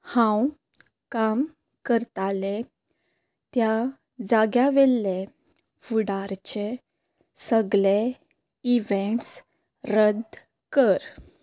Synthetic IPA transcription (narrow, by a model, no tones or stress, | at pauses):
hãw | kam | kəɾt̪ale | t̪ja | d͡zaɡjaʋɛlːe | fuɽaɾt͡ɕe | səɡɭe | iʋeɳʈs | ɾəd̪ | kəɾ